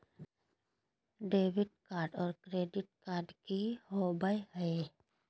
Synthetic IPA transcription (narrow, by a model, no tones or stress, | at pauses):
ɖeːbɪʈkaːɾɖɔːɾkɾeːɖɪʈ̚kaːɾɖkihoːbaihəe